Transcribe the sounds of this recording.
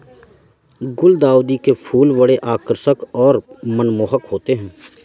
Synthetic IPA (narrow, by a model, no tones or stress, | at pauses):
ɡʊld̪aːuːd̪ikepʰuːlʋəɽeʔaːkəɾsəkɔːɾmənmoːɦəkɦoːt̪eɦɛ̃ː